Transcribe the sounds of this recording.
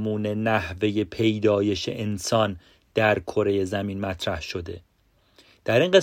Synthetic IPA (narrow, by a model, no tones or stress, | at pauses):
muːne̞næhve̞je̞pʰe̞jd̪ɒːje̞ʃḛʔensɒːn | d̪̥æɾkʰo̞ɾe̞je̞zæmiːnmæt̪ʰɾæhʃo̞d̪e̞ | d̪̥æɾiŋɢe